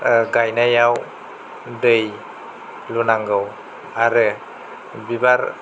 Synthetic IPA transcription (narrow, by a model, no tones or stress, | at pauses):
ɡajnajaw | dɯj | lunaŋɡɯw | aɾɯ | bibaɾ